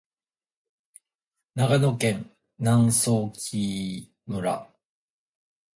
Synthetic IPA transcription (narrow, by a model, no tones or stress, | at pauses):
naɡanokẽ̞n | nãñsoːkʲʰi | mɯ̟ɾa̰